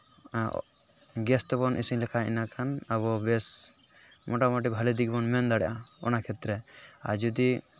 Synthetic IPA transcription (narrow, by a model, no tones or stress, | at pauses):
ɡɛst̪bɔnʔḭsiŋlɛkʰaḭnakʰanabɔbes | mʔɔʈamɔʈibʱalid̪ik̚bɔnmɛnd̪aɽaɔ̰nakʰet̪ɾɛa̰ɾd͡ʒɔd̪i